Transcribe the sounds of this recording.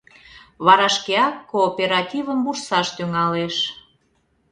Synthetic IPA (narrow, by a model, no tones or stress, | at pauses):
βɑɾɑʃkeɑkːoːpʲeɾɑt̪ʲivəmbursɑʃt̪yŋɑleʃ